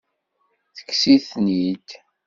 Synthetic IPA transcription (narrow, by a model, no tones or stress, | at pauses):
θə̥kːsiθnid̪